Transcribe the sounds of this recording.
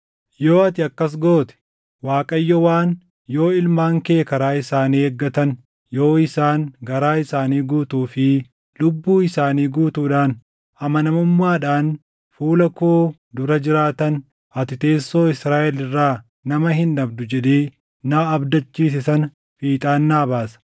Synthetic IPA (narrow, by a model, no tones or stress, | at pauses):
jo̞ːɐt̪ɪɐkːɐs̬ɡo̞ːt̪ɛ̥ | waːkʼɐjːɔwaːn | jo̞ːɪlmaːŋke̞ːkɐɾaːɪsaːnieɡːɐt̪ɐn | jo̞ːɪsaːŋɡɐɾaːɪsaːniːɡuːt̪uːfɪ | lʊbːuːɪsaːniːɡuːt̪uːᶑaːn | ɐmɐnɐmʊmːaːᶑaːn | fuːlɐkoː | d̪ʊɾɐd͡ʒɪɾaːt̪ɐn | ɐt̪ɪt̪e̞ːsːo̞ːɪsɾaːʔɛlɪrːaː | nɐmɐɦɪnᶑɐbd̪ʊd͡ʒɛᶑ̪eː | aːɐbd̪ɐt͡ʃːiːs̬ɪsɐn | fiːt̪ʼaːnːaːbaːsɐ̥